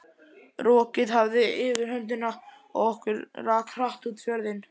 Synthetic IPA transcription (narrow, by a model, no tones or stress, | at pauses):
rɔːcɪðhavðɪɪːvɪɾ̥hœnt̪̬ɪna | ɔ̰ɣɔhkʏɾraːkr̥aht̪uːt̪fjœɾðɪn